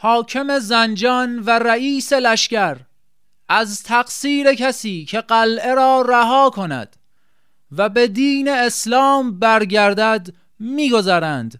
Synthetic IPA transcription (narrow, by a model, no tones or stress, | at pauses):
hɒːkʰe̞me̞zænd͡ʒɒːnvæɾæiːse̞læʃkæɾ | ʔæzt̪ʰæqsiːɾe̞kʰæsiːcʰe̞ɢælʔe̞ɾɒːɾæɦɒːkʰo̞næ̰d̪̥ | væbe̞d̪iːne̞ːslɒːmbæɾɡæɾd̪æd̪ | miːɡo̞zæɾænd̪̥